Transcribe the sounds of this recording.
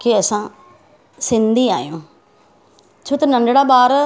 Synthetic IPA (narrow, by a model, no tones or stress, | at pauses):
keɛːsãː | sɪ̃nd̪iːa̰ːḛõː | t͡ʃʰʊt̪nəɳɖɽaːbaːɾ